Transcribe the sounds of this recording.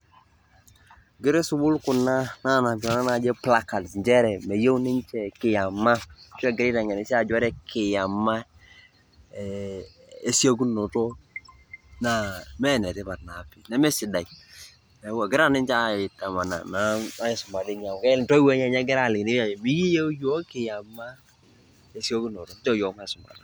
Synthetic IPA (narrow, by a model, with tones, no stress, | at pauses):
ɡɪ˦ɾe˦sʊ˦bʊ˦lkʊ˨na˦na˦˨na˨d͡ʒɔ˨na˦na˨d͡ʒe˦pla˦ka˨tsnd͡ʒɛ˦ɾɛ˨mɛ˨je˦wnɪ˦ɲt͡ʃɛ˨kɪ˨ja˨ma˦t͡ʃɛ˦ɡɪ˨ɾɪ˦ta˨ɲɛ˨nɪ˨˦si˦a˦˨d͡ʒɔ˦ɾɛ˦kʰɪ˨ja˨ma˦˨ | e˦si˦a˦k̬u˦no˨tɔ˦ | na˨mɛ˦˨nɛ˨te˦pa˨tna˨pi˨nɛ˦mɛ˦sɪ˨da˨i˨ | ɛ˨wa˨ɡɪ˦ɾa˦nɪ˦nt͡ʃa˦ɪ˨ta˨ma˨na̰˨na˨˦a˦je˨sʊ˨ma˨di˦ɲa˨mkɛ˦lntɔ˦i˦wɛ˦ɲa˦˨ɲa˦ɡɪ˦ɾa˦˨lɪ˨kn˦a˦˨mi˦ji˦je˦jo˦kɪ˨ja˨mːa˦ | e˦sjo˦ku˦no˨tɔ˨˦m˦t͡ʃɔ˦˨jɔ˨˦ma˦˨sʊ˨ma̰˨da˨